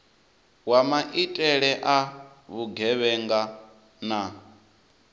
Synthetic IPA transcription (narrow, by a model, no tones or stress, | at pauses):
wamaʔitʼɛɺɛʔa | βuɡʱɛβɛŋɡa | na